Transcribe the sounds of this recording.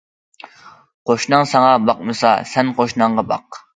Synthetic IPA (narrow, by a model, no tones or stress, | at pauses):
qoʃnɨŋsɑŋɑbɑqmɨsɑ̰sɛnqoʃnɑɴʁɑbɑ̰q